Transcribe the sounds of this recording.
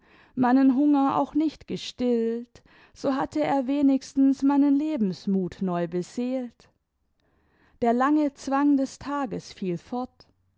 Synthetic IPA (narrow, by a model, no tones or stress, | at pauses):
maɪnənɦʊŋɐa̰ʊxnɪçtɡ̥əʃtɪlt | z̥oːɦatʰəeːɐveːnɪçstn̩smaɪnənleːbm̩smuːtnɔʏbəzeːlt | d̥eːɐlaŋət͡sv̥aŋdɛstʰaːɡəsfiːlfɔɐt